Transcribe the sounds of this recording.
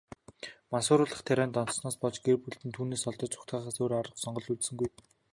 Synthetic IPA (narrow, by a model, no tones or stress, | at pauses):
mansʊːɾʊːɮə̆χt̪ʰæɾʲæːnt̪ɔnt̪̆snɔːspɔɮt͡ɕɡ̥erpuɮt̪ɘ̆nt̪ʰuːneːsɔɮt̪ɞ̆t͡ɕʊ̥kt̪ɢaːχaːsoːɾaɾə̆qsɔɴɢɞ̆ɮut̪sɘ̆ŋɡuj